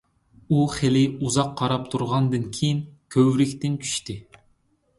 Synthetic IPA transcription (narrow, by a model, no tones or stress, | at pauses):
uχelɪuzɑqʰːɑɾɑp̚t̪ʰuɾʁɑnd̪ɨnkʲʰejinkʲʰøwɾɪkʲt̪ɪnt͡ʃʰy̥ʃt̪ɪ